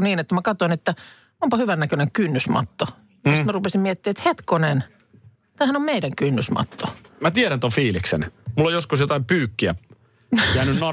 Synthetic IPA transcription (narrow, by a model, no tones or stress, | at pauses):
niːnet̪ːæmækɑt̪oinet̪ːæ | ompɑhyʋænːækøneŋkynːysmɑ̰t̪ːo | ist̪mærupesimmiet̪ːiːet̪het̪konen | t̪æːhænommeidæŋkynːysmɑ̰t̪ːomæt̪iæɾænt̪ofiːliksḛnmulːojoskusjot̪ɑimpyːkːiæ̰ | jæːnynno